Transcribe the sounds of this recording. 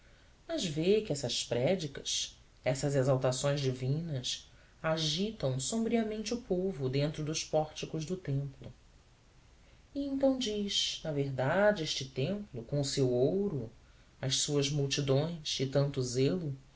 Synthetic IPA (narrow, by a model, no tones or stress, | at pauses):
mɐzvekɪɛsɐspɾɛd͡ʒikɐʃ | ɛsɐzezawt̪asõj̃zd͡ʒivĩnɐs | aʒit̪ɐ̃w̃sõmbɾiɐmẽnt͡ʃɪʊpovʊd̪ẽnt̪ɾʊd̪ʊʃpɔɾt͡ʃikʊʒd̪ʊt̪ẽmplʊ | iẽnt̪ɐ̃w̃d͡ʒiʃnɐveɦd̪ad͡ʒɪeʃt͡ʃɪt̪ẽmplʊkõʊsewowɾʊ | ɐʃsuɐzmuwt͡ʃid̪õj̃ʃɪt̪ɐ̃nt̪ʊzelʊ